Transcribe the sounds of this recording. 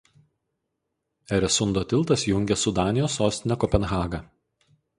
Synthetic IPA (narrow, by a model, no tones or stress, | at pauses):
ɛɾʲɛsʊnd̪oːt̪ʲɪlˠˑt̪ɐsjʊŋʲɡʲɛsʊd̪ɑːnʲɪjoːsːoːsʲt̪ʲɪnʲɛkɔpʲɛnɣɑːɡɐ